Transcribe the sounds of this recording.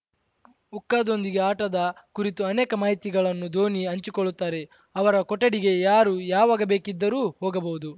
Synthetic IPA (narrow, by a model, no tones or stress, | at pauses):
ukːaːd̪o̞nd̪iɡe̞aːʈɐd̪ɐkuɾit̪uɐneːkɐmaːɦit̪iɡɐɭɐnːud̪ʱo̞ːniɐɲt͡ʃikoɭːut̪ːaːɾe̞ | ɐʋɐɾɐkɔʈːɐɽiɡe̞jaːɾuːjaːʋaːɡɐbe̞ːkid̪ːɐɾuːɦoːɡɐbɐwud̪u